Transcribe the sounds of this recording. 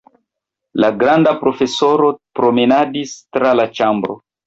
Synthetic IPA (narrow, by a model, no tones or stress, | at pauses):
laɡɾandapɾo̞fesoɾopɾomenadistɾalat͡ʃambɾo̰